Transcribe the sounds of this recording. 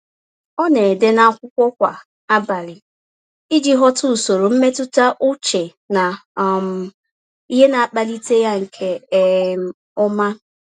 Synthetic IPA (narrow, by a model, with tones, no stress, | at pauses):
ɔ˦ne˨de˦na˨a˦˨kʷʊ˦kʷɔ˦kʷa˨ | a˦ba˨ɾɪ˨ | i˦d͡ʒi˦ɦɔ˦tʊ˦˨so˨ɾo˨m̩˦me˦tʊ˦ta˦ʔʊ˦t͡ʃe˨ | na˨m̩˨ | i˦ɦe˦na˨a˨k͡pa˨li˦te˦ja˦ŋ̩˨kʰe˨˦m˦ | ʊ˦ma˦